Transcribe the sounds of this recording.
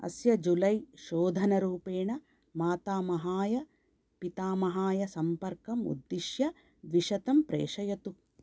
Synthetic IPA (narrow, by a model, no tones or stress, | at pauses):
ɐ̰sjɐd͡ʒulɐjʃoːd̪ʱɐnɐɾuːpeːɳɐ | maːt̪aːmɐɦaːjɐ | pit̪aːmɐɦaːjɐsɐmpɐɾkɐmṵd̪ːiʃjɐ | d̪ʋiʃɐt̪ɐmpɾḛːʂɐjɐt̪u